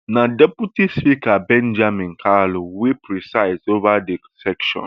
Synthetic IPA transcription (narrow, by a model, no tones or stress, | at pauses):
nãdɛputispikabɛ̃nd͡ʒamĩnkʰalowepʰɹisaɪzovade | sɛkʃɔ̰̃n